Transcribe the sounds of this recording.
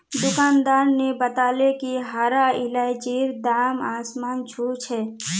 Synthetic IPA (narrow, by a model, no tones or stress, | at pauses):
d̪ʊkaːnd̪aːɾnebət̪aːlekiɦaːɾaɪlaːɪt͡ʃiːɾd̪aːmaːsmaːnt͡ʃʰuːt͡ʃʰɦɛː